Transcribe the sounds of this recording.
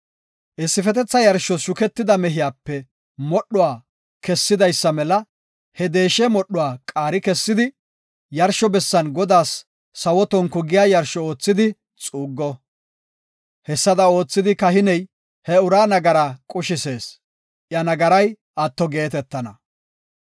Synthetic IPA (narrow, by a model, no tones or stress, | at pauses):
ʔɪsːɪfɛt̪ɛt͡sːɐjɐɾʃɔʃʊkɛt̪ːɪd̪ɐmɛɦɪjaːpːɛ | mɔɗːʊwaː | kɛsːɪd̪ɐjsːɐmɛlɐ | hɛd̪e̞ːʃɛmɔɗːʊwaːkʼaːɾɪkɛsːɪd̪ɪ | jɐɾʃːɔbɛsːɐnɡɔd̪aːsː | ɐwɔt̪ɔŋkʊɡɪjaːjɐɾʃɔo̞ːt͡sːɪd̪ɪ | t͡sʼuːɡːɔ | hɛsːɐd̪ɐo̞ːt͡sːɪd̪ɪkɐhɪnɛj | hɛʊɾaːnɐɡɐɾaːkʼʊʃɪseːs | ʔjɐnɐɡɐɾɐj | ʔɐt̪ːɔɡe̞ːt̪ɛt̪ːɐnɐ